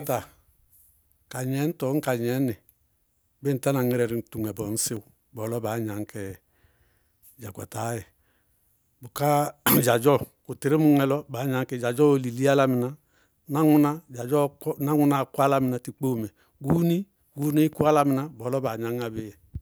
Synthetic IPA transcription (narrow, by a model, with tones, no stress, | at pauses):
ta˨ | ka˨ɲɛ˨˦n̩˦tɔ˨˦ŋ̩˦ka˨ɲɛ˨˦nɛ˨ | be˦n̩˨ta˦na˨ŋi˦ɾɛ˨ɾi˨n̩˨tu˨ŋ˨ɛ˨bɔ˨n̩˦si˦w | bɔ˨lɔ˦ba˨˦ɲa˨ŋ˦kɛ˨ | d͡ʒa˨kʷa̰˨ta˨˦jɛ˨ | bu˨ka˦d͡ʒa˨d͡ʒɔ˦ku˨ti˨ɾi˦mu˦ŋɛ˨lɔ˦ba˨˦ɲa˨ŋ˦kɛ˨d͡ʒa˨d͡ʒɔ˦˨li˨li˦a˦la˦mi˨na˨ | na˦ŋu˦na˦d͡ʒa˨d͡ʒɔ˦na˦ŋʷu˦na˨kwa˦la˦mi˨na˨ti˨k͡po˦˨mɛ˨ | ɡu˦ni˦ | ɡu˦ni˦ku˦a˦la˦mi˨na˨bɔ˨˦lɔ˦ba˨ɲa˦ŋa˨bi˦jɛ˨